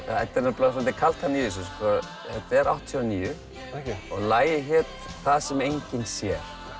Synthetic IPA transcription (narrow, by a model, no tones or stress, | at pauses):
ɛht̪ːɛɾnaplɔfant̪ɪkʰal̥t̪haniːs̬us̬pɔa | hɛt̪ɛɾawht̪ʰiɔniːjʏ | ɔɣlaːjɪɦɪt̪θaðsɛmejɲcɪnsjɛɾ̥